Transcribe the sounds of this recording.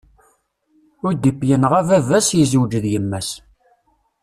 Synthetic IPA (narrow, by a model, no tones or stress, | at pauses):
ʊɾd̪ipːjənʁævævæsjizəwd͡ʒəðjəmːæs